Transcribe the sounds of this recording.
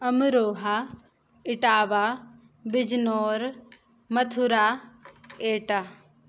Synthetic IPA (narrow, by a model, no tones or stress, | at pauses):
ɐmɾoːɦa | ɪʈaːʋa | bɪd͡ʒnoːɾ | mɐt̪ʰuɾa | eːʈa